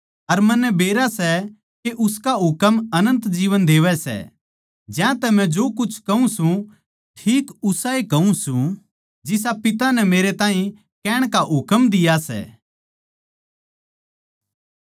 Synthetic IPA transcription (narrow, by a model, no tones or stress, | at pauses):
ɐɾmɐnːɛbeːɾasɛ | keʔʊskaɦʊkəmɐnə̃nt̪d͡ʒiːʋənd̪eːʋɛsɛ̰ | d͡ʒãt̪ɛmɛ̃d͡ʒoːkʊt͡ʃʰkɐũsũ | ʈʰiːkʊsaikɐũsũ | d͡ʒɪs̬apɪt̪anɛmeːɾet̪ãːĩ | kɛːɽ̃kaɦʊkəmd̪ɪjasɛ̰ː